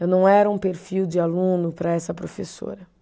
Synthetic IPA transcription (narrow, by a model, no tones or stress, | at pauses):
ewnɐ̃w̃ɛɾɐũpeɾfiwd͡ʒɪalũnʊpɾɐɛsɐpɾofeso̰ɾɐ